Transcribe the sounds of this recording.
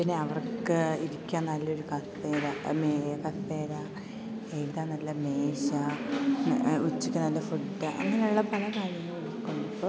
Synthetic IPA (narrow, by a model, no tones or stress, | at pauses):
pinːeɐʋɐrkːɨiɾikʲːaːnɐlːɐo̞ɾukɐθeːɾamekɐθeːɾa | ejðaːnɐlːɐmeːɕa | ut͡ɕːikʲːɨnɐlːɐfuʈːɐʔɐ̰ŋːɐneuɭːɐpɐlɐkaːɾjɐŋːɐɭiɽikʲːuɳːɐpːo